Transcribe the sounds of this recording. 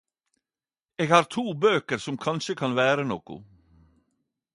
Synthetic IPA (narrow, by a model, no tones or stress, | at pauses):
eːɡhɑːɾt̪ʰuːbøːkəɾsɔmkʰɑnʃəkʰɑnʋæːɾənoːkʊ̰